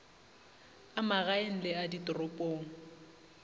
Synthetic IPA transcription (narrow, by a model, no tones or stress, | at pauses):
amaɣaen̩lɪaditʼʊrʊpʼoːŋ̩